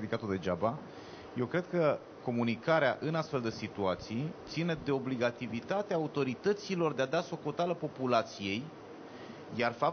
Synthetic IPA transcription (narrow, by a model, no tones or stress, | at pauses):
ed̪ikat̪od̪e̞d͡ʒaba | je̞wkɾe̞d̪̚kə | ko̞munikaɾea̰ʔɨnast̪fe̞ld̪əsit̪uat̪sijt̪sine̞d̪e̞o̞bliɡat̪ivit̪at̪eaːut̪o̞ɾit̪ət̪silo̞rd̪ead̪aso̞ko̞t̪aləpo̞pulat̪sije̞j | jarfap̚